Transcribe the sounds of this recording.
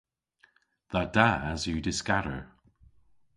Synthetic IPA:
ðad̥aazjədɪskaɾə̰˞

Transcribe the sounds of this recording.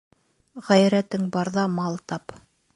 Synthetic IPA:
ʁæjɾæt̪ɘŋbɑɾðɑmɑlˠt̪ɑp

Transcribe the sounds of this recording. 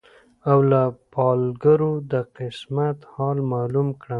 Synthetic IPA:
awlapɑlɡaɾod̪əqɪsmat̪hɑlmɑlumkɽa

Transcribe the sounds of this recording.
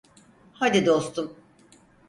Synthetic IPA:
had̪id̪o̞st̪ʰum

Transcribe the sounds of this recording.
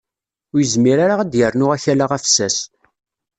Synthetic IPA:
ʊɾjəzmiɾaɾaʁæd̪jəɾnʊʁæçælaʁæfsæs

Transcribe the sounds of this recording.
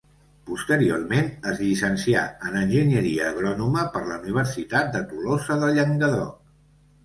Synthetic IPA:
pust̪əɾio̰rmenəzʎisənsia̰ənənʲʒiɲəɾiəːɣɾɔnuməpəɾləuniβ̞əɾsit̪at̪̚d̪ət̪ulosəðəʎəŋɡəðo̰

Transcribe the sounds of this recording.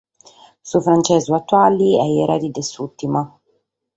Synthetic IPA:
sufɾant͡ʃɛːzuat̪ːwaliɛjɛɾʔad̪id̪esut̪ːima

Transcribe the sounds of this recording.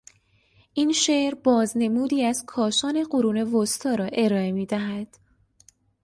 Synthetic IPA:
ʔinʃeʔɾbɒːzne̞muːd̪iːæz̥kʰɒːʃɒːne̞ɢoɾuːne̞vost̪ʰɒːɾɒːʔe̞ɾɒːe̞miːd̪æɦæd̪̥

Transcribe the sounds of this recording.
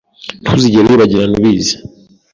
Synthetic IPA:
tʰuziɟeɾeiβaɟinanuβiːzḁ

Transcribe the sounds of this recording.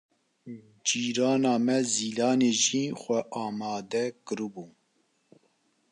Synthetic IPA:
d͡ʒiːɾɑːnɑːmɛziːlɑːneʒiːxʷɛʔɑːmɑːd̪ɛkɨɾɨbuː

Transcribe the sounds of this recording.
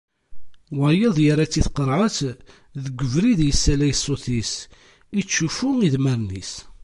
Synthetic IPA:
wæjəðˤjəɾat͡sːiθqəɾˤʕəθ | ðəɡʷːəvɾiðjəsːælæjsˤːoθis | it͡sːufuiðmæɾnis

